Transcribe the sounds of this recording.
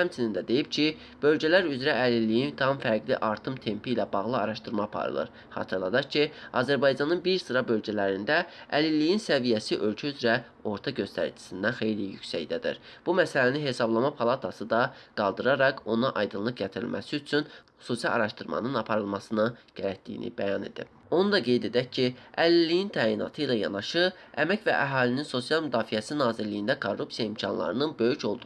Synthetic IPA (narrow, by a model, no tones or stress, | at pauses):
hæmt͡ʃʰinind̪æd̪e̞jipcʰi | b̥ø̞lɟælæɾyzɾæælilːijint̪ʰɑmfæɾɡlḭʔɑɾt̪ʰɯmt̪ʰe̞mpʰilæbɑɣlˠɯɑɾɑʃt̪ɯɾmɑːpʰɑ̰ɾɯ̰lˠɯ̰ɾ | χɑ̰ːt̪ʰɯɾlˠɑd̪ɑkcʰiɑzæɾbɑjd͡ʒɑnɯnbiɾsɯɾɑbø̞lɟælæɾind̪æælilːijinsævijæsiʔø̞lcʰæyzɾæ | o̞ɾt̪ʰɑɟø̞st̪æ̰ɾ̰d͡ʒʰi̥sind̪ænxe̞jlijycsæ̰jd̪æd̪ḭɾb̥umæsælæniɦe̞sɑblˠɑmɑpʰɑlˠɑt̪ʰɑsɯd̪ɑɡ̥ɑlˠd̪ɯɾɑɾɑko̞nɑʔɑjd̪ɯnlˠɯkɟæt̪ʰiɾḭlmʔæ̰siyt͡ʃʰynxu̥susɑlɑ̰ɾɑʃt̪ɯɾmɑ̰nɯnɑpʰɑɾɯlˠmɑsɯnɯɟ̥æɾæt̪̚d̪ḭjḭnḭbæjɑne̞̰d̪ḭ | o̞nud̪ɑɡe̞jd̪e̞d̪æccʰːiælilːijint̪ʰæːjinɑ̰t̪ʰɯilæjɑ̰nɑʃɯ | æmæcvæ̰ʔæɦɑːlininso̞sijɑlˠmyd̪ɑːfijæsinɑːziɾlːijind̪ækʰorːupsijɑimcʰɑnlˠɑ̰ɾɯnɯnbø̞jyco̞lˠd̪u